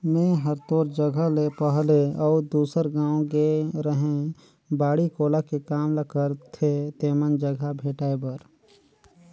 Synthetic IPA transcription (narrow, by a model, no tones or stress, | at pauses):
mẽːɦəɾt̪oːɾd͡ʒəɡʱalepəɦleɔːɾd̪uːsəɾɡãːõɡeɾəɦẽ | baːɽikoːlakekaːmləkəɾt̪ʰet̪eːmənd͡ʒəɡʱabʱeːʈaːebəɾ